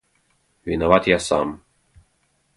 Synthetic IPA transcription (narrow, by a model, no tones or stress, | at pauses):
vinavat̪jasa̰m